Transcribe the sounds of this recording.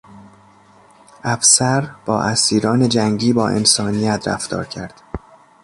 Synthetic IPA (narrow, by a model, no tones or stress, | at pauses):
ʔæfsæɾb̥ɒ̰ːʔæsiːɾɒːne̞d͡ʒæŋɟiːbɒːʔḛnsɒːnijæt̪ʰɾæ̰ft̪ɒ̰ːɾcʰæɾd̪̥